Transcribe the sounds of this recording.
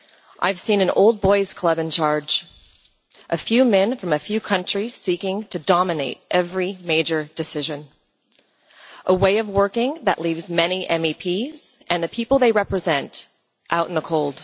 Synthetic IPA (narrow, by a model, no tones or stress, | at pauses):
ʔa̰ɪv̥sĩnɨ̃no̰ʊlˠd̚bɔɪz̥kʰl̥ʌbɨ̃nt͡ʃʰɑɹd͡ʒ | ʔɨfjʉmɛ̃nfɹʌ̃mɨfjʉkʰʌ̃nt͡ʃɹ̥iz̥sikɪ̃ŋtʰɨdɑmɨneɪɾʔɛvɹimeɪd͡ʒə˞d̥ɨsɪʒɨ̃n | ʔəweɪʌvwɜ˞kɪ̃ŋðɨ̰ʔlivzmɛniʔɛ̃mipʰiz̥ʔɨ̃nðɨpʰipl̩ˠðeɪɹɛpɹɨzɛ̃nt | ʔaʊɾn̩ðəkʰoʊlˠd̥